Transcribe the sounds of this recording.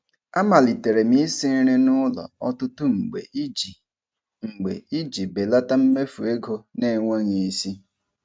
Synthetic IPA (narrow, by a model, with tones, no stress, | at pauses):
a˦ma˨li˨te˨ɾe˨mi˦si˦ɾe˦nʊ˦lɔ̰˨ɔ˦tʊ˦tʊ˦ŋ͡m̩˨ɡ͡bḛ˨˦d͡ʒi˨ | ŋ͡m̩˨ɡ͡bḛ˨i˦d͡ʒi˨be˨la˦ta˦m̩˦me˦fu˨e˦ɡo˦ne˦˨ŋʷa˦ɲi˨i˦si˦